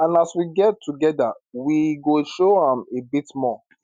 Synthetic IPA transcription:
ãnaswiɡɛtʰːuɡɛdawiɡoʃohãmebitmɔ

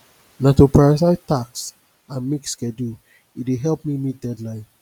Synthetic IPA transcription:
natupaɹas̬aɪtaks | ãnmikskɛdu | iteɦɛlpminit̚dɛdlãɪ̃n

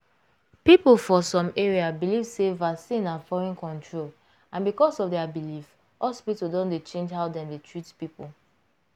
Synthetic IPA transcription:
pipl̩ˠfɔsɔ̃meɹiabilivsevaksĩnãnfɔɹɔ̃nkɔ̃ntʰɹol | ãnbikɔsɔfdɛabilif | ʔɔlspipdɔ̃ndet͡ʃẽnd͡ʒɦaʊdɛ̃mdetʰɹitpipulˠ

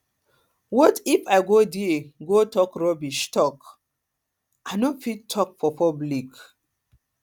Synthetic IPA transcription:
wɔtifajɡodeɡotɔkɹɔbiʃtɔk | aɪnofittʰːɔk̚fɔpɔblik

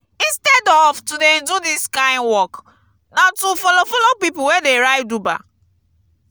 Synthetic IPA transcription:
ĩnstɛdɔvtudɛ̃ndudiskãɪ̃nwɔk | natufɔlofɔlopipuwedeɹaɪduba̰

